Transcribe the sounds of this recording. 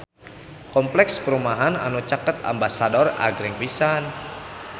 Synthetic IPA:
kɔmplɛkspəɾumaɦana̰nut͡ʃakət̪̚a̰mbasadɔra̰ɡɾɛŋpisan

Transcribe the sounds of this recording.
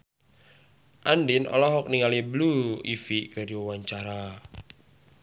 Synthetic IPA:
ʔandɪnʔɔ̰lɔɦɔk̚niŋalibluḭfikəriawaɲt͡ʃaɾa

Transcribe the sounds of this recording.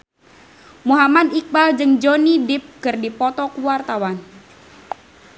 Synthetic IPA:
muɦamad̪ik̚bald͡ʒɨŋd͡ʒonidɪp̚kɨrdipɔt̪ɔkuwart̪awan

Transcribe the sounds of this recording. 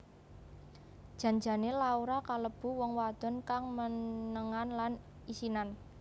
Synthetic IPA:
d̥ʒ̥ä̤ɲd͡ʒa̤nelauɾakaləb̥ṳwɔŋwad̪̥ɔ̤nkaŋmənəŋanlan | isinan

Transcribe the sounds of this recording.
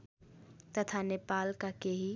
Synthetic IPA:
t̪ɐt̪ʰaneːpaːlkakeɦi

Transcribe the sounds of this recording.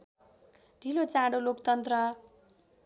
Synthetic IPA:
ɖʱilot͡sãɽolokt̪ʌnt̪rʌ

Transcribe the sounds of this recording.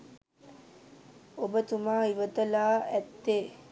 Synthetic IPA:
obət̪umaːiʋət̪ɐlaːæt̪ːeː

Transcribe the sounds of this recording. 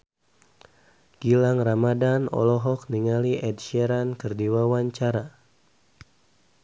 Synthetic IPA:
ɡ̥ilaŋramadanɔ̰lɔɦɔkniŋaliʔɛdʃɛɾankərdiwawaɲt͡ʃaɾa

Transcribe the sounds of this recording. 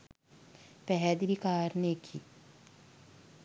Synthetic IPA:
pɛɦɛd̪ʋikaːɾnekʰi

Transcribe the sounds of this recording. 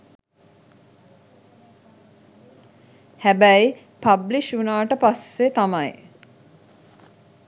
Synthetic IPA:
hæbæj | pabliʃunaːʈəpasʋet̪amaj

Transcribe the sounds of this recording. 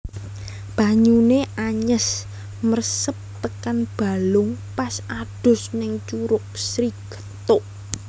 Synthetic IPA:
b̥aɲuneʔaɲəs | mərsəp̚t̪əkanb̥a̤lʊŋpasaɖ̥ʊ̤snɪŋt͡ʃuɾʊk̚sɾiɡ̥ə̤̥t̪oʔ

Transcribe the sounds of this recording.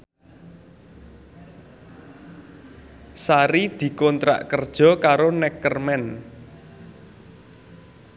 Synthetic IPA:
saɾid̪̥i̤kɔnt̪ɾa̰ʔkərd̥ʒ̥ɔ̤kaɾonɛkərmɛn

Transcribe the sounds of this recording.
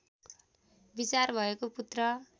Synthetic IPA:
bit͡sarbʱʌekoput̪rʌ

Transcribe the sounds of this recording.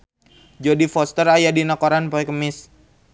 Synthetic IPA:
d͡ʒodifɔst̪əɾajadinakoɾanpoɛkəmɪs

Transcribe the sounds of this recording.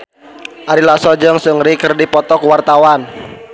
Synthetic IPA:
ʔaɾilasɔd͡ʒəŋsəŋɾikərdipɔt̪ɔkuwart̪awan

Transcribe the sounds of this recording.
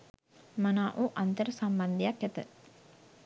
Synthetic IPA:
manaːʔuːʔant̪əɾəsamband̪ijakːæt̪ə̰

